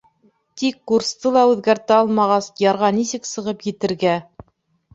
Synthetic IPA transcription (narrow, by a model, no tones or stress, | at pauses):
t̪ikːurst̪ɤlˠɑʉðɡæɾt̪æɑlˠmɑʁɑsjɑɾʁɑnisɘksɤ̆ʁɤpjɘ̆t̪ɘ̆ɾɡæ